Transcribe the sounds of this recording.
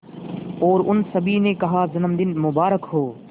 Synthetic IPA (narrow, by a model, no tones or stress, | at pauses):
ɔːɾʊnsəbʱiːnẽːkɐɦaːzɐnəmd̪ɪnmʊbaːɾəkɦoː